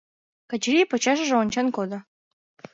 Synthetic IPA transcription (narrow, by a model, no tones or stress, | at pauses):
kɑt͡ɕɾʲijpot͡ɕɑʃ̬ə̆ʒeonʲt͡ɕɑnkod̪ŏ